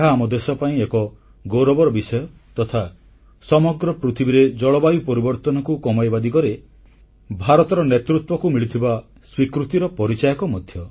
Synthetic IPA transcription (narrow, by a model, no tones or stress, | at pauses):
ɦaːmɔd̪esɔpaĩekɔ | ɡoɾɔbɔɾɔbisɔjɔ | t̪ɔt̪ʰa | sɔmɔɡɾɔpɾut̪ʰibiɾed͡ʒɔɭɔbajupɔɾibɔɾt̪ɔnɔkukɔmajbad̪ikɔɾe | bʱaɾɔt̪ɔɾɔnet̪ɾut̪wɔkumiɭit̪ʰiba | swikɾut̪iɾɔpɔɾit͡ʃajɔkɔmɔd̪ʱjɔ